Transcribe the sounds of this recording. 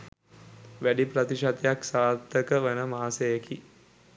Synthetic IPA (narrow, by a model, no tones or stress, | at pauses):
ʋæɖipɾət̪iʃat̪ejaksaːt̪ːəkəʋenəmaːsejeki